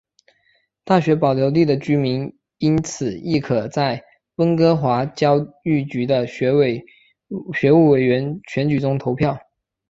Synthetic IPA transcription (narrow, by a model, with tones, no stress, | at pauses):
t̪a˥˩ɕɥɛ˧˥pɑ˨˩ʊljo˧˥ʊli˥˩d̪ə˩t͡ɕy˥mi˧˥n | i˥nt͡sʰɹ̩˨˩i˥˩kʰɤ˨˩t͡sa˥˩ɪ | wə˥ŋkɤ˥xwa˧˥t͡ɕjɑ˥ʊy˥˩t͡ɕy˧˥d̪ə˧˥ | ɕɥɛ˧˥u˥˩we˨˩ɪɥɛ˧˥nt͡ɕʰɥɛ˧˥nt͡ɕy˨˩ʈ͡ʂʊ˥ŋt̪ʰo˧˥ʊpʰjɑ˥˩ʊ